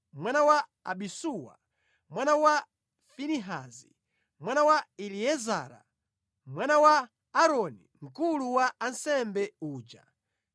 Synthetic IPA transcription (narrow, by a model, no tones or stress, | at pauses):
mwanawaa̰ɓisuwa̰ | mwanawa | finiɦazi | mwanawailiɛza̰ɾa̰ | mwanawa | aɾɔniŋ̩kuluwaansɛmbɛuːd͡ʒa̰